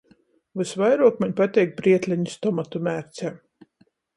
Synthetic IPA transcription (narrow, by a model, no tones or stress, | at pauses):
vɨsvajɾuɔkmaɲpat̪ʲɛjk̚bɾiɛt̪lʲæɲust̪ɔmat̪umæːɾt̪sɛː